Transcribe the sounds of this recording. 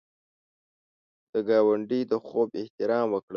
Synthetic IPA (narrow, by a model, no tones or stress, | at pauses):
d̪̥əɡɑːwaɳɖid̪əxobɪht̪ɪɾɑːmwəkɽə